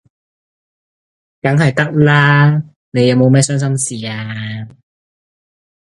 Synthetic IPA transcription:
kɐ˨˥ŋɦɐ˨jt̪ɐ˥k̚laː˥ | ne˨˧jɐ˨˧wmo˨˧wmɛː˥sœː˥ŋsɐ˥msiː˨aː˧

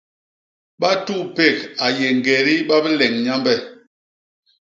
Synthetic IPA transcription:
ɓa˦tu˦˨pe˦˨ka˨je˨ŋ˨ɡe˨ɾi˦ɓa˦bə˦lɛ˨ŋɲa˦mbɛ˦˨

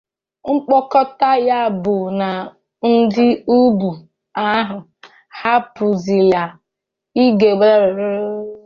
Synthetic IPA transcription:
ŋ͡m̩˦k͡pɔ˦kɔ˦ta˦ja˦˨bʊ˨na˨ | n̩˦dɪ˦u˦bu˨ | a˦ɦʊ˨ | ha˦pu˨zi˨lja˨ | i˦ɡe˨ɡ͡be˦ɾɾɾ

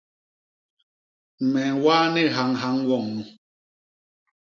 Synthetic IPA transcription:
mɛ˨ŋwaː˦nɛ˦ɦa˨˦ŋɦa˨˦ŋwɔ˦˨ŋnu˨

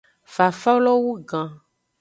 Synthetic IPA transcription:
va˨fa˦lɔ˦wu˦ɡã˨

